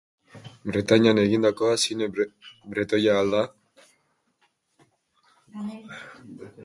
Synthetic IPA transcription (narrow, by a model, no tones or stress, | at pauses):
bɾet̪aɲianeɣind̪ako̞asinebɾet̪ojaːld̪a